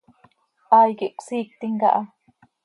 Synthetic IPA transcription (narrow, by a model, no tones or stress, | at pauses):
ɑːjkiʔqsiːk̚t̪iŋkɑ̰ʔɑ